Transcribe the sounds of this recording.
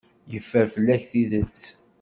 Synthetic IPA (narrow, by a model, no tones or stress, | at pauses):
jəfːəɾfəlːæçθiðət͡sː